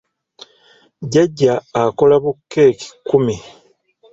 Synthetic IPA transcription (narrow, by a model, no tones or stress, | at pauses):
ɟeɟːaːko̞laβukʰːe̞ːki̥kːumi